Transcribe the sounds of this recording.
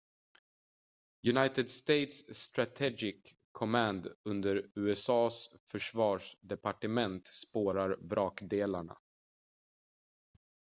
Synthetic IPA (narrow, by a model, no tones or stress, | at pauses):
jɵnajt̪əd̪st̪ejt̪sːt̪ɾat̪ʰɛɡɪkʰː | ɔmænd̪ɵnd̪əɾʉ̟ːɛsɑːsfœʂvɑːʂd̪ɛpaʈəmɛnt̪spoːɾaɾvɾɑːkd̪eːlaɳa̰